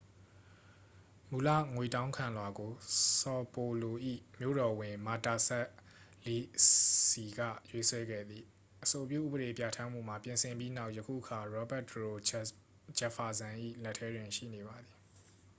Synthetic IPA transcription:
mu˨lä̰˦˨ŋwe˨tã˦ʊ̃kʰã˨nlwa˨ɡo˨sɔ˨po˨lo˨ʔḭ˦˨mjo̰˦˨ɾɔ˨wɪ̃˨ma˨ta˨sɛ˦ʔ | li˦si˨ɡä̰˦˨jwḛ˦˨sʰwɛ˦ɡɛ̰˦˨d̪ði˨ | ʔəso˨pjṵ˦˨ʔṵ˦˨bə˨ɾe˨pja̰˨tʰã˦m̥ṵ˦˨m̥a˨pjɪ̃˨nsʰɪ̃˨mpji˦na˦ʊʔjə˨kʰṵ˦ʔəkʰa˨ɹɔ˦bɛ˦tɹo˨ | d͡ʑɛ˦˨fʰa˨zã˨ʔḭ˦˨lɛ˦tʰːɛ˦dwɪ̃˨nʃḭ˦˨ne˨βa˨d̪ði˨

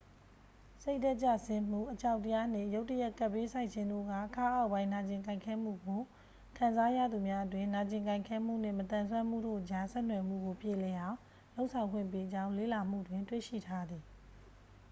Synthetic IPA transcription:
se˦ɪtɛ˦ʔt͡ɕa̰˦˨sɪ̃˦m̥ṵ˦˨ʔət͡ɕa˦˨ʊ̃t̬əja˦n̥ɪ̰̃˦˨jo˦ʊtːə˦ja˦ka˦˨pːe˦sʰa˦ɪ̃t͡ɕʰɪ̃˦ndo̰˦˨ɡa̰˦˨ʔkʰa˦ʔa˦ʊpã˦ɪ̃na˨d͡ʑɪ̃˨ŋka˦˨ɪ̃ŋkʰɛ˦m̥ṵ˦˨ɡo˨ | kʰã˨nza˦ja̰˦˨d̪u˨mja˦ʔətwɪ̃˨na˨d͡ʑɪ̃˨ŋka˦˨ɪ̃ŋkʰɛ˦m̥ṵ˦˨n̥ɪ̰̃˦˨mət̪ã˨nswɛ˦m̥ṵ˦˨do̰˦˨ʔət͡ɕa˦sɛ˦ʔnwɛ˨m̥ṵ˦˨ɡo˨pjḛ˦˨lɛ˨jã˨ʊ̃ | lo˦ʊʔsʰã˨ʊ̃ŋkwɪ̰̃˦˨mpe˦ʔd͡ʑã˦ʊ̃lḛ˦˨la˨m̥ṵ˦˨dwɪ̃˨ntwḛ˦˨ʃḭ˦˨tʰa˦d̪ði˨

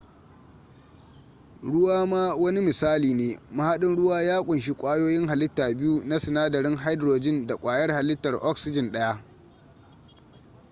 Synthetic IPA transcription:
ɽʊ˦waː˦maː˦wɐ˦ni˦mɪ˨saː˦liː˨neː˨ma˦ha˦ɗɪ˦nɽʊ˦waː˦jaː˦kʷʼʊ˨nʃ̬i˦kʷʼaː˦joː˦jɪ˦ŋɦa˨lɪ˦tːaː˨bɪ˦ju˦na˦sʊ˨naː˦dɐ˨ɽɪ˦ŋɦa˦jdɾoː˨d͡ʒɪ˦nda˨kʷʼaː˨jɐ˦rha˨lɪ˦tːɐ˨rʔɔ˦ksɪ˦d͡ʒɪ˨nɗɐ˦ja˦ʔ

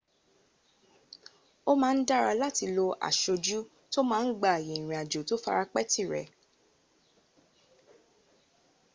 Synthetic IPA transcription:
o˦mãː˦n̩˦da˦˨ɾa˧la˦ti˧lo˧ʔa̰˨ʃo˧d͡ʒu˦ | to˦mãː˦n̩˦ɡ͡ba˦˨ji˨ĩ˨ɾ̃ĩ˨a˨d͡ʒo˨˦to˦fa̰˧ɾa˧k͡pɛ˦ti˦˨ɾɛ̰˨

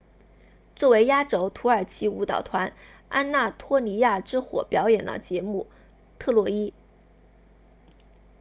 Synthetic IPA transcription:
t͡swɔ˥˩we˧˥ɪja˥ʈ͡ʂo˥ʊt̪ʰu˧˥ə˞˨˩t͡ɕʰi˧˥u˧˥t̪ɑ̰˨˩ʊt̪ʰwa˧˥n | a˥nna˥˩t̪ʰwɔ˥ni˧˥ja˥˩ʈ͡ʂɻ̩˥xwɔ̰˨˩pjɑ˧˥ʊjɛ˨˩nd̪ə̰˦t͡ɕjɛ˧˥mu˥˩ | t̪ʰɤ˥˩lwɔ˥˩i˥

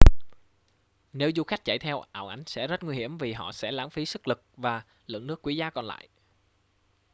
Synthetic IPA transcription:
ne˨˦wzu˧xa˦˥jk̟̚t͡ɕa˧˩jt̪ʰɛ˧wʔaː˨˩wʔa˨˦jŋ̟sɛ̰˧˥zə˦˥t̚ŋwi˧hi˧˩əmvi˨˩ɦɔ̰˧˨sɛ̰˧˥laː˨˦nfi˨˦sɨ˦˥k̚lɨ˨˩k̚vaː˨˩ | lɨ̰˧˨ŋnɨ˦˥əkːwi˨˦zaː˨˦kɔ˨˩nla̰ː˧˨jʔ

